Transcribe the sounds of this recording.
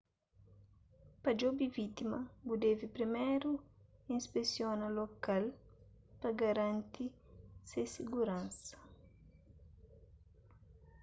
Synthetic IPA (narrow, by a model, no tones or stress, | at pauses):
pɐd͡ʒobivit̪imɐbud̪evipɾimejɾuĩspesjonɐlokal | pɐɡɐɾãnt̪isesiɡuɾãnsɐ̥